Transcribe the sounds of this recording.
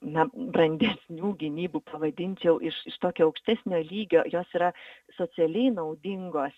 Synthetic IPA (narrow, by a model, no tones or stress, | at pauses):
nɐbrɐnʲd̪ʲɛsʲnʲuːɡʲɪnʲiːbupɐʋɐd̪ʲɪnʲt͡ʃʲjɛʊʔɪʃɪʃt̪oːkʲoːɐʊkʃʲt̪ʲæːsʲnʲoːlʲiːɡʲoːjoːsiːɾɐ | soːt͡s̪ʲɪɛlʲɛɪnɐʊd̪ʲɪŋɡoːs